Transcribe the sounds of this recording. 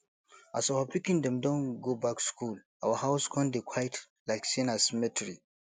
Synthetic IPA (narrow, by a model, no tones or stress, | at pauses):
a̰sawapikĩndɛ̃mdɔ̃nɡobakskulʔawəhawskʰɔ̃ndekʰwajt | lajksẽnasɛmɛtɹi